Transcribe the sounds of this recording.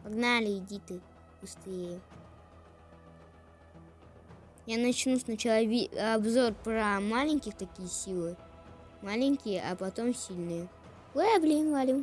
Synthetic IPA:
pɐɡnalʲɪɪdʲit̪ɨ | b̥ʊst̪ɨjə | janɐt͡ɕnusʲnɐt͡ɕɪlˠavʲɐbzo̞rpɾəmalʲɪnʲkʲɪxt̪ɐkʲijəsʲilˠɨ | malʲɪɲʲkʲɪjəʔɐpɐt̪o̞msʲilʲnɨjə | eblʲinvalʲim

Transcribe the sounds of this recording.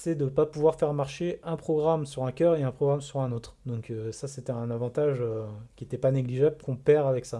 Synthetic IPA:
sɛd̪əpapuvwaʁfɛʁmaʁʃeɛ̃pχɔɡʁamsyʁɛ̃kʲœʁeɛ̃pχɔɡʁamsyʁɛ̃not̪χd̪ɔ̃køsaset̪ɛɛ̃navɑ̃t̪aʒøkʲiet̪ɛpaneɡliʒablkɔ̃pɛʁavɛksa

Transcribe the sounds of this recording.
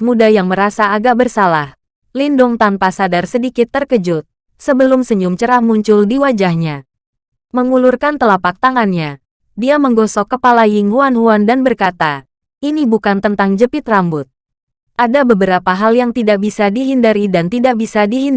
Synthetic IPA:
mudajaŋməɾasaːɡaʔ̚bərsalah | lindʊŋt̪anpasadarsədikɪt̪ːərkəd͡ʒʊt̪̚ | səbəlʊmsəɲʊmt͡ʃəɾahmuɲt͡ʃʊldiwad͡ʒahɲa | məŋulurkant̪əlapak̚t̪aŋanɲa | diaməŋɡɔsɔkːəpalajɪŋhuanɦuandanbərkat̪a | ʔinibukant̪ənt̪aŋd͡ʒəpɪt̪rambʊt̪̚ | ʔadabəbəɾapaɦaljaŋt̪idaʔ̚bisadiɦindaɾidant̪idaʔ̚bisadiɦin

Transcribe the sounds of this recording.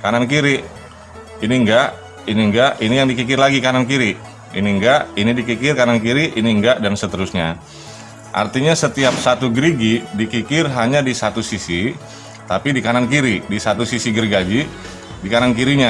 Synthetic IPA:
kanankiɾi | iniŋɡaʔ | iniŋɡaʔinijaŋdikikɪrlaɡikanankiɾi | iniŋɡaʔinidikikɪrkanankiɾiʔiniŋɡaʔdansət̪əɾʊsɲa | ʔa̰rt̪iɲasət̪iap̚sat̪uɡɾiɡidikikɪrɦaɲadisat̪usisi | t̪apidikanankiɾidisat̪usisiɡəɾiɡad͡ʒi | dikanankiɾiɲa

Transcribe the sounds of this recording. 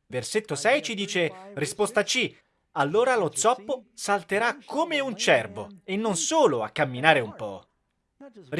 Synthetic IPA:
verset̪ːosɛjt͡ʃid̪iːt͡ʃerispost̪at͡ʃi | alːoːɾalot̪sɔpːosalt̪eɾakʰːomeunt͡ʃɛrbo̰enːonsoːloa̰kːamːinaːɾeumpɔ | r

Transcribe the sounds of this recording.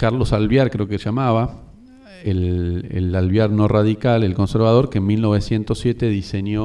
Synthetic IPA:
kaɾlo̞salβjaɾkɾeokeʒamaβa | elḛlalβjaɾno̞raðikalelko̞nse̞ɾβað̞o̞ɾkenmilno̞β̞e̞sje̞nt̪osje̞t̪e̞ðiseɲjo

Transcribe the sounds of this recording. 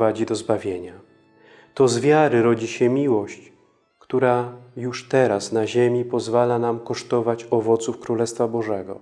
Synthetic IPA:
ad͡ʑid̪ɔzbavʲjeɲa | t̪ɔzvʲjaɾɘɾɔd͡ʑiɕɛmʲiwɔɕt͡ɕ | kt̪uɾajuʂt̪ɛɾasnaʑemʲipɔzvalanamkɔʂt̪ɔvat͡ɕɔvɔt̪sufkɾulɛst̪fabɔʐɛɡɔ̰

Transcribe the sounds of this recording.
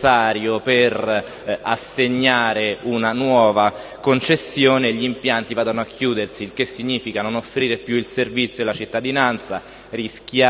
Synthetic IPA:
aːɾjoper | asːeɲːaːɾeunanwɔːvakont͡ʃesːjoːneʎːiimpjant̪ivaːd̪onoakʰːjuːd̪ersilk̟esːiɲːiːfikanonofɾiːɾepjuilservit̪sjolat͡ʃit̪ːad̪inant̪sa | risk̟ja

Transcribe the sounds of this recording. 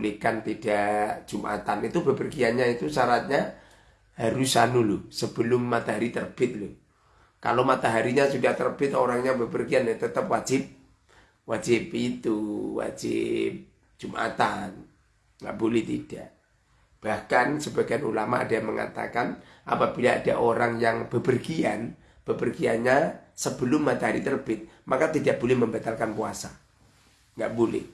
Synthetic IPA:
likant̪idḁd͡ʒ̥umʔa̰t̪anit̪ubəpərɡianɲait̪usaɾat̪̚ɲa | haɾusanulʊsəb̥əlʊmːat̪aɦaɾit̪ərb̥ɪt̪̚lʊh | ka̰lomat̪aɦaɾiɲasudaht̪ərb̥ɪt̪oɾaŋɲabəpərɡianlɛt̪ət̪əp̚wḁd͡ʒɪp̚ | wad͡ʒɪpit̪uwa̰d͡ʒɪ̰p̚ | d͡ʒ̥umʔa̰t̪an | ŋɡa̰ʔbolɛht̪id̥aʔ | b̥ahkansəbaɡajanṵlamaa̰daŋməŋa̰t̪a̰kan | ʔa̰pabilaada̰ʔoɾaŋjaŋb̥əbərɡian | b̥əbərɡianɲasəbəlʊmːat̪aɦaɾḭt̪ərb̥ɪt̪̚makat̪idaʔbolɛhməmbat̪alkanpuasa | ŋɡaʔbolɛ̰h

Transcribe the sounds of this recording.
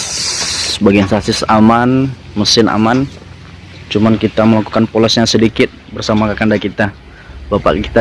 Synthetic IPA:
ssəbaɡiansasɪsaman | məsɪna̰man | t͡ʃumankit̪aməlaku̥kanpolɛsɲasədikɪt̪̚bərsamakakandakit̪a | bapa̰ʔki̥t̪a

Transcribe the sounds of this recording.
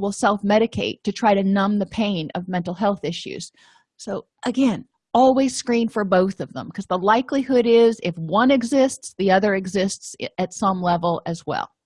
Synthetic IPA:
wəlˠsɛlˠfmɛɾɨkʰeɪtʰɨtʰɹ̥aɪɾɨnʌ̃mðɨpʰẽɪ̃nʔʌ̰vmɛ̃ntˡl̩ˠɦɛlˠθɪʃʉ̰z̥ | soʊ | ʔɨɡɛ̃n | ɔlˠwiz̥skɹĩnfə˞boʊθʌvðə̰̃mkʰʌzðəlaɪklihʊɾɪzɪfwʌ̃nɨɡzɪstsðiʌðə˞ɨɡzɪstsɨtsʌ̃mlɛvl̩ˠɨzwɛ̰lˠ

